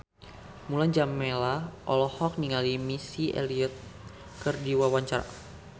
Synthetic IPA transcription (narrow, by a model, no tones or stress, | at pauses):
muland͡ʒamːelaʔɔlɔhɔk̚niŋalimisiʔḛliɔt̪̚ | kərdiwawaɲt͡ʃaɾa̰